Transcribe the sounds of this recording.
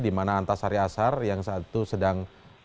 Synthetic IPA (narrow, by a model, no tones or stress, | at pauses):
dimanaːnt̪asaɾiasarjaŋsat̪usədaŋ